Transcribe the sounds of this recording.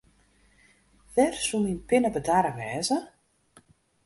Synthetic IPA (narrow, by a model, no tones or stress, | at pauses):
ʋɛrsuminpɪnəbədaɾəʋɛːzə